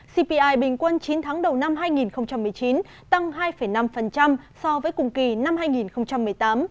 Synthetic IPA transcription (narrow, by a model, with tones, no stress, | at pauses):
si˧pi˧ʔaː˧jɓï˨˩ŋ̟kwə˧nt͡ɕi˨˦nt̪ʰaː˨˦ŋɗə˨˩wna˧mɦaː˧jŋi˨˩nxə˧wŋ͡mt͡ɕa˧mːɨ˨˩əjt͡ɕi˨˦n | t̪a˧ŋɦaː˧jfə˧˩jna˧mfə˨˩nt͡ɕa˧msɔ˧vəː˨˦jkʊ˨˩ŋ͡mki˨˩na˧mhaː˧jŋi˨˩nxə˧wŋ͡mt͡ɕa˧mːɨ˨˩əjt̪aː˨˦m